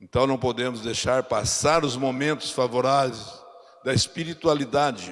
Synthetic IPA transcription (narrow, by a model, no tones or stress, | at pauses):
ẽnt̪ɐ̃w̃nɐ̃w̃pod̪ẽmʊzd̪ejʃaɾpasaɾʊzmomẽnt̪ʊ̥sfavoɾavejz | d̪ɐɪspiɾit̪ualid̪ad͡ʒɪ